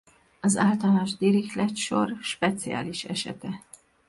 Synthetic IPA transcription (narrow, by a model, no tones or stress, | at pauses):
ɒzaːlt̪ɒlnoʒd̪iɾixlɛt̪ʃo̞̰rʃpɛt̪sia̰ːliʃɛ̰ʃɛ̰t̪ɛ